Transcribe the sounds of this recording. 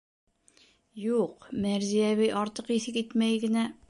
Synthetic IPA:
juqmæɾzijæβɘjʔɒɾt̪ɤqiθɘkit̪mæjɡɘ̆næ

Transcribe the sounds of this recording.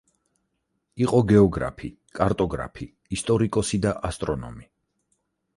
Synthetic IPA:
iqʼɔɡɛɔɡɾa̰pʰi | kʼaɾt̪ʼɔɡɾa̰pʰi | ist̪ʼɔɾikʼɔsid̪aʔast̪ʼɾɔnɔ̰mi

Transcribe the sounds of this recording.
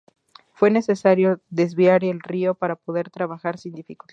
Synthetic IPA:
fwe̞ne̞se̞saɾjo̞ðe̞zβjaɾelrio̞paɾapo̞ðe̞ɾt̪ɾaβaxaɾsind̪ifikul

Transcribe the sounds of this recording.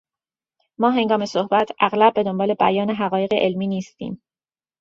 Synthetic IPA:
mɒːɦe̞ŋɡɒːme̞sohbæt̪ʰʔæɣlæb̚ːe̞d̪o̞mbɒːle̞bæjɒːne̞ɦæɣɒːje̞ɣeʔelmiːniːst̪ʰḭːm

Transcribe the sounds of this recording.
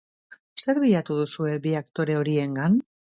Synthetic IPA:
se̞ɾβiʎat̪uðusue̞βiakt̪o̞ɾe̞o̞ɾie̞ŋɡan

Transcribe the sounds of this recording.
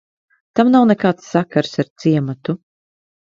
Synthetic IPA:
t̪amnawnekaːt̪sːakaɾsaɾt̪siɛmat̪u

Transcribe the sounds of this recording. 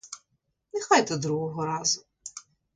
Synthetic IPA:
nexɑjt̪ɛd̪ɾuɦɔɦɔɾɑzʊ

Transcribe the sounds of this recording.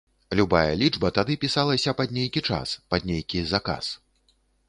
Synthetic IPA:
lʲubajɐ̰lʲid͡ʐbɐt̪ad̪ɨpʲisalˠɐsʲɐpad̪ʲnʲejkʲit͡ʂa̰spad̪ʲnʲejkʲizaka̰s

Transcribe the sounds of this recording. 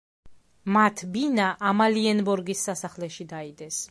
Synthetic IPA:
mat̪ʰbinaʔamaliɛnbɔɾɡisːasaχlɛʃid̪aid̪ɛs

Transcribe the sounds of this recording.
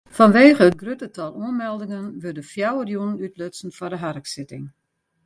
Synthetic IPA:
fɔnʋeːχəət̚ɡrøtətɔlˠuənmɛlˠdɪŋənʋødəfjawərjunənytløtsn̩fɔrdəɦarksɪtɪ̰ŋ

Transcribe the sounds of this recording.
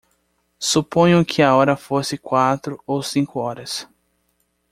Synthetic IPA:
supõɲʊ̃kʰɪaɔɾɐfosɪkwat̪ɾʊowsĩŋkʊɔɾɐs

